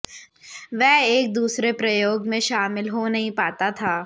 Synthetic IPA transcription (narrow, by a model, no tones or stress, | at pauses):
ʋɛɦeːk̚d̪uːsɾepɾɐjoːɡmẽʃaːmɪlɦonɐɦĩpaːt̪at̪ʰaː